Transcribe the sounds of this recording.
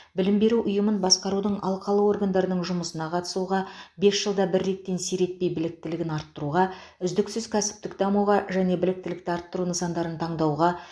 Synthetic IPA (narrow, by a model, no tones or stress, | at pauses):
bɪlɪmbe̞ɾuʔʊjəmənbɑsqɑɾud̪əɴʔɑlˠqʰɑlˠəwo̞rɡand̪ɑɾənəɴʒʊməsənɑqʰɑt̪ə̥suʁɑbe̞sʒ̥əlˠd̪ɑbɪɾːe̞t̪ːe̞nsijɾe̞t̪̚pe̞jbɪlɪk̚t̪ɪlɪɡʲɪnɑɾt̪ːəɾuʁɑʏzd̪ɪksʏzkʲʰæsɪ̥p̚t̪ɪkd̪ɑmuʁɑʒæne̞bɪlɪk̚t̪ɪlɪkt̪ɪɑɾt̪ːəɾunəsɑnd̪ɑɾənt̪ʰɑɴd̪ɑwʁɑ